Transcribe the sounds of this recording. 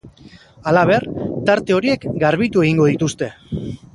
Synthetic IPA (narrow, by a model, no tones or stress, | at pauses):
alaβe̞rt̪aɾt̪e̞o̞ɾie̞kɡaɾβit̪ue̞ɣiŋɡo̞ð̞it̪ust̪e̞